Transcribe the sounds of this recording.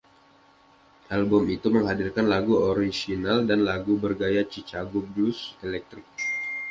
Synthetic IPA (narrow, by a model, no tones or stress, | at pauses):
ʔalbʊmit̪uməŋɦadirkanlaɡuoɾisinaldanlaɡubərɡajat͡ʃit͡ʃaɡʊp̚duselɛk̚t̪ɾɪk̚